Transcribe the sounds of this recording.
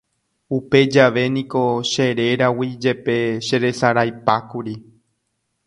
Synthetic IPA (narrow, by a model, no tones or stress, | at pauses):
upe̞d͡ʒaʋe̞nĩko̞ʃe̞ɾe̞ɾawid͡ʒe̞pe̞ʃe̞ɾe̞saɾajpakuɾi